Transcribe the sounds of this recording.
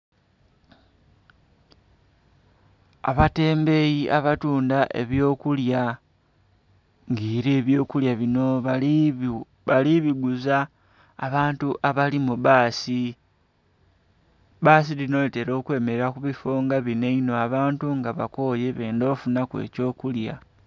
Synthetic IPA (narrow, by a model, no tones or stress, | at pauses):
a̰βate̞ːmbe̞jiʔaβatuːndaʔe̞̰βjo̞ːkulja | ŋɡiːɾeːβjo̞ːkuljaβino̞ | βaliβiɡuza̰ː | βaːntuʔaβalimuβaːsi | βaːs̬ilino̞lite̞ɾo̞ːkwe̞ːme̞ɾeɾakuβifoːŋɡaβine̞ino̞aβaːntuŋɡaβako̞je̞βe̞ːndofunakwḛːco̞ːkulja